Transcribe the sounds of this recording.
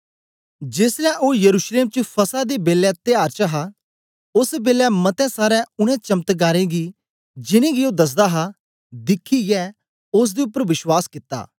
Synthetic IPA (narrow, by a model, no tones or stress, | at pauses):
d͡ʒeːsɾɛːʔoːjəɾuːʃleːmt͡ʃəpʰəsad̪eːbeːlɛːt̪ɪjaːɾt͡ʃəɦaː | ʊsbeːlɛːmət̪ɛ̃ːsaːɾɛʊɽ̃ɛ̃ːt͡ʃəmt̪ɡaːɾẽːɡi | d͡ʒɪnẽːɡioːd̪ɐs̬d̪aːɦaː | d̪ɪkʰːijɛː | ʊs̬d̪eːʊpːəɾʋɪʃwaːskɪt̪ːa̰ː